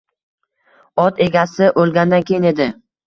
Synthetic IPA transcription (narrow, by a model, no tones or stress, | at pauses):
ɒt̪e̞ɡʲasɪʔolˠɡʲand̪ankʲʰe̞jɪne̞d̪ɪ